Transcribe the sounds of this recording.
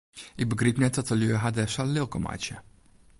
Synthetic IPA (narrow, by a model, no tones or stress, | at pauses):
ʔɪk̚bəɡripnɛt̚ɔtəljøəɦadɛsalɪlˠkɔma̰t͡ʃjə